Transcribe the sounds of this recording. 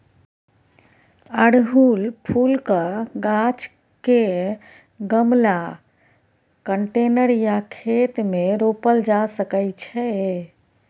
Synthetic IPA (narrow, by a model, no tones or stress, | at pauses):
əɽɦulpʰulkəɡat͡ʃ | ke | ɡəmla | kəɳʈenəɾjakʰet̪meɾopəld͡ʒasəkəjt͡ʃʰɛ